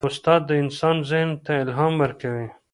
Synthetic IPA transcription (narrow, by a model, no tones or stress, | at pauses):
ʊst̪ɑːd̪ːəɪnsɑnzɪhnt̪aɪlɦɑmwəɾkawi